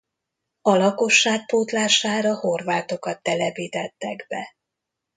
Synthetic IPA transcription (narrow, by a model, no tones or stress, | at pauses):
ɒlɒko̞ʃːaːk̚poːt̪laːʃaːɾɒho̞rvaːt̪o̞kɒt̪ːɛlɛpiːt̪ɛt̪ːɛɡbɛ